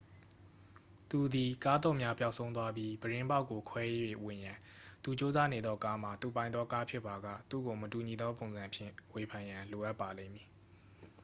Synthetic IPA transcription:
t̪u˨d̪i˨ka˦d̪ɔ̰˦˨mja˦pja˦ʊʔsʰõ˦ʊ̃nt̪̬wa˦bji˦bəɹɪ̃˦mba˦ʊkːo˨kʰwɛ˦je˦jwḛ˦˨ʔwɪ̃˨jã˨ | t̪u˨t͡ɕo˦za˦ne˨d̪ðɔ˦ka˦m̥a˨t̪u˨pã˨ɪ̃nðɔ˦ka˦pʰjɪ˦ʔpːa˨ɡa̰˦˨t̪ṵ˦˨ɡo˨mətu˨ɲi˨d̪ɔ˦p̬õ˨ʊ̃nzã˨pʰjɪ̰̃˦˨we˨pʰã˨jã˨lo˨ʔa˦pːa˨lḛ̃˦˨mji˨

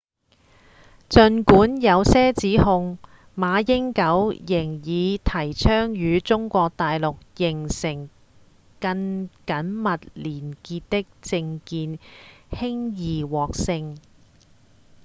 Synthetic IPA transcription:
t͡sɵ˧nkuː˨˥njɐ˨˧wsɛː˥t͡siː˨˥hʊ˧ŋ | maː˨˧jɪ˥ŋkɐ˨˥wjɪ˨˩ŋjiː˨˧t̪ʰɐ˨˩jt͡sʰœː˥ŋjyː˨˧t͡sʊ˥ŋkʷɔː˧k̚t̪aː˨jlʊ˨k̚jɪ˨˩ŋsɪ˨˩ŋ | kɐ˧nkɐ˨˥nmɐ˨t̚liː˨˩nkiː˧t̚t̪ɪ˥k̚t͡sɪ˧ŋkiː˧nhɪ˥ŋjiː˨˩wɔː˨k̚sɪ˧ŋ

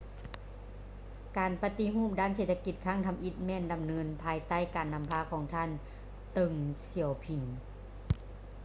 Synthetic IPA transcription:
kaː˨˩npa˧t̪i˧ɦuː˥˩˨p̚daː˧˥˨nse˧˩t̪ʰːa˧ki˧˩t̪̚kʰaː˧˥˩ŋt̪ʰa˧˦mʔi˧˩t̪̚mɛː˧˩˨nda˨˩mnɤː˧˥npʰaː˧jt̪a˧˥˨jkaː˨˩nːa˧mpʰaː˧˥kʰɔː˩˦ŋt̪ʰaː˧˥˨n | t̪ɤ˧ŋsi˨˩əwpʰi˨˩n

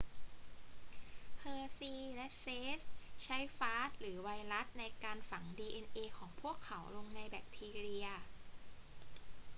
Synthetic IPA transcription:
pʰɤː˧siː˧lɛ˦˥seː˦˥st͡ɕʰa˦˥jfaː˦˥t̪̚lɯː˩˦wa˧jɾa˦˥t̪̚na˧jkaː˧nfa˩˦ŋdiː˧ʔe˧nʔeː˧kʰɔː˩˦ŋpʰu˥˩əkʰːa˩˦wlo˧ŋna˧jbɛː˨˩k̚t̪ʰiː˧ɾi˧əɐ

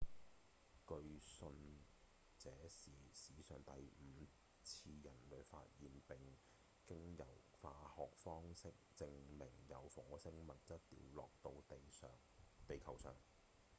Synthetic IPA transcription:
kɵ˧ɥsɵ˧n | t͡sɛː˨˥siː˨siː˨˥sœː˨˩ŋt̪ɐ˨jm̩ː˨˧ | t͡sʰiː˧jɐ˨˩nlɵ˨˧ɥfa̰ː˧t̚jiː˨npɪ˨ŋ | kɪ˥ŋjɐ̰˨˩w | faː˧hɔː˨k̚fɔː˥ŋsɪ˥k̚t͡sɪ˧ŋmɪ˨˩ŋjɐ̰˨˧wfɔː˨˥sɪ˥ŋmɐ˨˩t̚t͡sɐ˥t̚t̪ḭː˧wlɔ̰ː˨k̚t̪o˧w | t̪e˨jkʰɐ˨˩wsœ̰ː˨˩ŋ

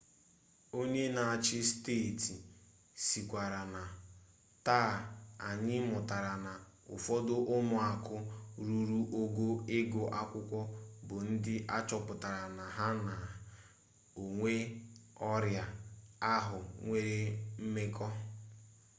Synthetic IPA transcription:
o˦ɲe˦na˨a˨t͡ʃɪ˦steː˦˨ti˨ | si˨kʷa˨ɾa˨na˨ | taː˦˨a˨ɲɪ˦mʊ˨ta˨ɾa˨na˨ | ʊ̰˨fɔ˦dʊ˦ʔʊ˦mʊ˦˨a˨kʊ˦ɾu˦ɾu˦ʔo˦ɡo˦ɪ˦ɡʊ˨ʔa˦kʷʊ˦kʷɔ˦bʊ˨n̩˦dɪ˦ʔa˦t͡ʃɔ˨pʊ˨ta˨ɾa˨na˨ɦa˦na˨ | o˨ŋʷe˦ɔ˦ɾja˨a˦ɦʊ˨ŋʷe˦ɾe˦m̩˦me˦kɔ˦

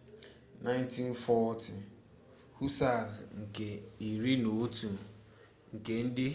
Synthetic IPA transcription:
na˦jnti˦n˦fɔ˦tʰi˨ | hu˦sa˦˨zŋ̩˨ke˨i˨ɾi˦no˨˦tu˨ | ŋ̩˨ke˨n̩˦dɪ˦

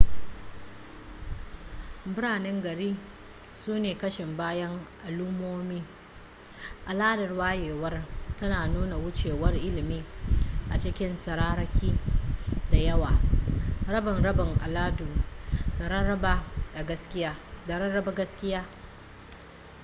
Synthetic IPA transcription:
bʊ˦ɽaː˨nɛ˦ŋɡɐ˨ɽiː˦ | suː˦neː˨kɐ˦ʃɪ˨mbaː˦jɐ˦ŋʔa˨luː˦moː˦miː˦ | ʔa˨laː˦dɐ˨rwaː˦jeː˨wɐ˦rtɐ˦naː˨nuː˦na˨wʊ˦t͡ʃeː˨wɐ˦rʔɪ˦lɪ˨miː˦ʔa˨t͡ʃɪ˦kʲɪ˦nsɐ˨ɾaː˦ɾɐ˦kʲiː˦ | da˨jɐ˦waː˨ | ɾɐ˦bɪ˨nɽɐ˦bɪ˨ŋʔa̰˨laː˦du˨a˨ɐ˦ba˦a˨ɡɐ˦skʲɪ˦ja˦da˨ɐ˦ɐ˦ba˦ɡɐ˦skʲɪ˦jaː˦

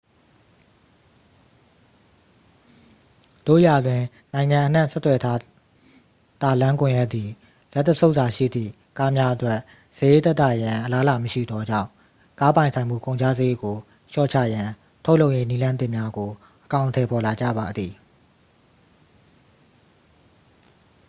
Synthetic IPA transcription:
d̪̥o̰˦˨ja˨d̪wɪ̃˨ | nã˨ɪ̃ŋã˨ʔən̥ã̰˦˨sɛ˦t̪wɛ˨tʰa˦ | t̪a˦˨lã˦ŋkʊ̃˨jɛ˦ʔt̪ði˨ | lɛ˦t̪ːə˦sʰo˦ʊʔsa˨ʃḭ˦˨d̪ðḭ˦˨ | ka˦mja˦ʔətwɛ˦ʔ | sɪ˦˨je˦t̪ɛ˦t̪ːa̰˦˨jã˨ʔə˨la˦la˨məʃḭ˦˨d̪ɔ˦d͡ʑã̰˦˨ʊ̃ | ka˦pã˨ɪ̃nsʰã˨ɪ̃mṵ˦˨kõ˨ʊ̃ɲt͡ɕʰa̰˦ze˦˨ɡo˨ | ʃɔ̰˦˨t͡ɕʰa̰˦˨jã˨ | tʰo˦ʊʔlo˦ʊʔje˦ni˦lã˦nt̪ɪ˦ʔmja˦ɡo˨ | ʔəkã˨ʊ̃ntʰɛ˨pʰɔ˨la˨d͡ʑä̰˦˨ba˨d̪ði˨

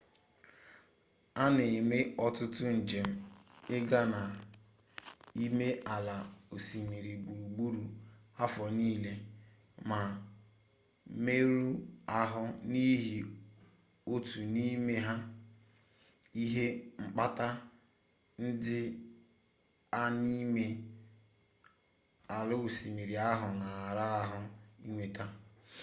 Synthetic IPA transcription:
a˦ne˨me˦ɔ˦tʊ˦tʊ˦n̩˨d͡ʒe˨m̩˦ɪ˦ɡa˦na˨ | i˦me˦ʔa˨la˨o˨si˨mi˨ɾi˨ɡ͡bu˨u˨ɡ͡bu˦ɾu˨a˦fɔ˨niː˦le˦ | ma˨ | me˦ɾu˦a˦ɦʊ˦ni˦ɦi˨ | o˦tu˨ni˦me˦ɦa˦ | i˦ɦe˦ŋ͡m̩˦k͡pa˦ta˦ | n̩˦dɪ˦ | a˦ni˦me˦ | a˨lʊ˦˨si˨mi˨ɾi˨a˦ɦʊ˨na˨ɾa˦a˦ɦʊ˦i˦ŋʷe˨ta˦

